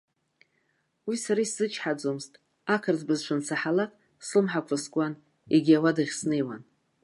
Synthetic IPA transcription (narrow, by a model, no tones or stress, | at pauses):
wisaɾaiszɨt͡ʃʰħad͡zomztʼ | akʰarzbɨzʈ͡ʂʷʰansʰaħalakʼ | slɨmħakʷʰaskʷʼan | eɡʲiawadɨχʲsnejwa̰n